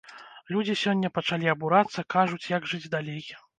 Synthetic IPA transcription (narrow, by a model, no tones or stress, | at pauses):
lʲud͡zʲisʲɔnʲːɐpɐt͡ʂalʲiɐbuɾat̪sːɐkaʐut͡sʲjaɡʐɨd͡zʲd̪alʲej